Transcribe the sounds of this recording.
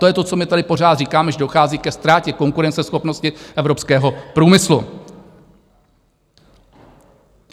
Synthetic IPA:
t̪ojɛt̪o̞t͡so̞mɪt̪adɪpo̞r̝aːt̪riːkaːmɛʒɛdo̞xaːziːkɛst̪ɾaːcɛko̞ŋkuɾɛnt͡sɛsxo̞pnoscɪʔɛvɾo̞pskɛːɦo̞pɾuːmɪslu

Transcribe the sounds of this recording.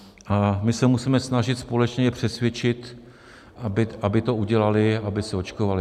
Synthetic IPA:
ʔamɪsɛmusiːmɛsnaʒɪt̪spo̞lɛt͡ʃɲɛɛpr̝̥ɛsvjɛt͡ʃɪt̪ | abɪabɪt̪o̞uɟɛlalɪabɪsɛo̞t͡ʃkovalɪ

